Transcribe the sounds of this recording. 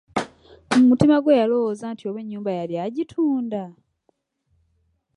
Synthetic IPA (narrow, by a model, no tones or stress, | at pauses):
mumutimaɡwejalo̞wozaːntio̞βwe̞ɲːuːmbajaljaɟitʰuːnda